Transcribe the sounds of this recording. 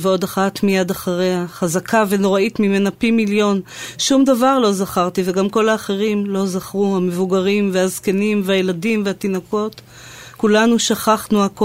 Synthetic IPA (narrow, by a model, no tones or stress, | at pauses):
veo̞daχat̪mijadaχaʁehaχazakʰaveno̞ʁaitmimenapimiljo̞nʃumd̪avaʁlo̞zaχaʁt̪ive̞ɡamko̞laːχe̞ʁimlo̞zaχʁuame̞vuɡaʁimveazkenimvajeladimvehat̪inoko̞t̪ | kulanuʃaχaχnuak